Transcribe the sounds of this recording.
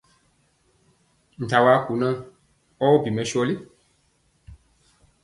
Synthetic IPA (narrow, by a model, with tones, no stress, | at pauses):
n̩˨ta˨wa˨˦ku˨˦nã˦ | ɔ˦wɔ˦bi˨mɛ̃˨˦ʃi˦ɔ˦li˦